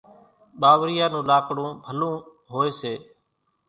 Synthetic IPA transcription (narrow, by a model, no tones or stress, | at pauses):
ɓaːʋɾɪjaːnũːlaːkɽõːbʱəlõː | ɦoːeːseː